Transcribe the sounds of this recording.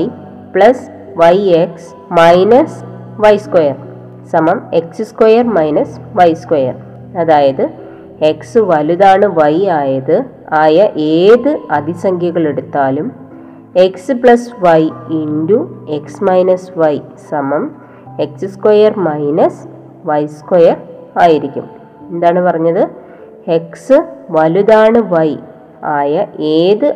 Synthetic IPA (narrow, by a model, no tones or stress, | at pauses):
j | pɭɐs | ʋɐjeks | mɐjnɐs | ʋɐjskojɐr | sɐmɐme̞ksɨskojɐrmɐjnɐsʋɐjskojɐ̰r | ɐðaːjɐðɨ | eksɨʋɐluðaːɳɨʋɐjaːjɐðɨ | aːjɐʔeːðɨɐd̪ʱisɐŋkʰjɐɣɐɭe̞ɽut̪ːaːlum | e̞ksɨpɭɐsʋɐjindue̞ksmɐjnɐsʋɐjsɐmɐm | e̞ksɨskojɐrmɐjnɐs | ʋɐjskojɐraːjiɾikʲːṵm | end̪aːɳɨpɐrɐɲːɐðɨ | e̞ksɨʋɐluðaːɳɨʋɐj | aːjɐʔeːðɨ